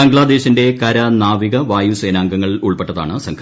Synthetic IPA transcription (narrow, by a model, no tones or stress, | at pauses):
ɐŋɡɐɭaːd̪e̞ːɕinde̞kɐɾɐnaːʋiɣɐʋaːjuseːnaːŋɡɐŋːɐɭuɭpeʈːɐða̰ːɳɨsɐŋkʰ